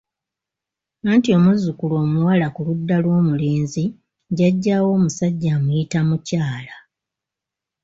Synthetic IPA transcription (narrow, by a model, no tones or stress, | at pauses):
aːntio̞muzukulo̞ːmuwalakuludːalwo̞ːmuleːnzi | ɟaɟːawo̞ːmusaɟːamujitamucaːla